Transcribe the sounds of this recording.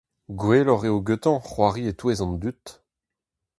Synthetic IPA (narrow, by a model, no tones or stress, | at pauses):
ɡweːlɔʁeoɡøt̪ɑ̃χwaʁiet̪wezɑ̃nd̪yt̪